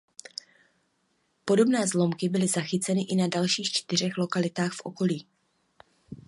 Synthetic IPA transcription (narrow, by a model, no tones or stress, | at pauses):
po̞do̞bnɛːzlo̞mkɪbɪlɪzaxɪt͡sɛnɪʔɪnadalʃiːxt͡ʃt̪ɪr̝ɛxlo̞kalɪt̪aːxfʔo̞̰ko̞liː